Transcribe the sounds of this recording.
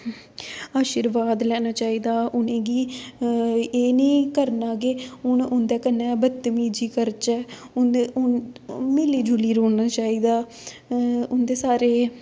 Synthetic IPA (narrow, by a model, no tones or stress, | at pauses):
aːʃiːɾʋaːd̪lɛːnaːt͡ʃaːiːd̪aːʔʊnẽːɡiː | eːnĩːkəɾnaːɡeːʊnʊnd̪ɛːkənːɛːbət̪ːmiːd͡ʒiːkəɾt͡ʃɛː | ʊnd̪eʊnmɪliːd͡ʒʊliːɾoːnaːt͡ʃaːiːd̪aː | ʊnd̪eːsaːɾeː